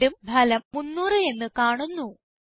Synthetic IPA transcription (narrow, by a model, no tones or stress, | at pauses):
umbʱɐlɐmːunːuːrɨe̞nːɨkaːɳunːu